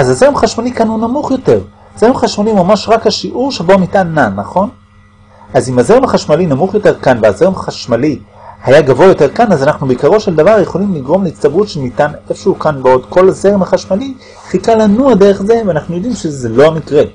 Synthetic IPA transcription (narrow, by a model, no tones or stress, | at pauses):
ʔazazeʁemaχaʃmalikanhunamuχjo̞te̞ʁ | zeʁemaχaʃmalimamaʃʁakhaʃiʔuʁʃebo̞mitanːanaχo̞n | azimaze̞ʁemaχaʃmalinamuχjo̞te̞ʁkanveazeʁemaχaʃmalihajaɡavoajo̞t̪e̞ʁkanazanaχnubeikaʁo̞ʃe̞ld̪avaʁje̞χo̞limliɡʁo̞mlehitst̪abʁut̪ʃemit̪anefʃehukanbeod̪ko̞laze̞ʁemaχaʃmali | fikalanuad̪e̞ʁeχze̞veanaχnujo̞d̪imʃezelo̞amikʁe